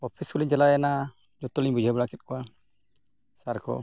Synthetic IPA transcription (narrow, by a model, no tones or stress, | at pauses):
ɔpʰiskuliɲd͡ʒalajana | d͡ʒɔt̪uliɲbud͡ʒʱɔbɛɭakɛt̪̚kɔwa | saɾkɔ̰